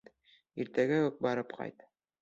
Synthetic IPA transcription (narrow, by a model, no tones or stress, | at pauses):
iɾt̪æɡæɵk̚bɑɾɤpqʰɑ̰jt̪